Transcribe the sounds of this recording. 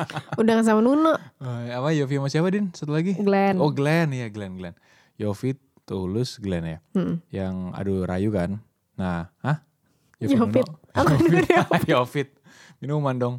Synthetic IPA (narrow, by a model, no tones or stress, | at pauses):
udaŋas̬amanunaʔəapajofiamasiapadɪnsat̪ulaɡiɡlɛnoɡlɛnjaɡlɛnɡlɛn | jofit̪ːuulʊsɡlɛnjam̩m̩jaŋa̰duɾa̰jukanː | aah | jojofit̚akanjofit̪̚ | minumandɔŋ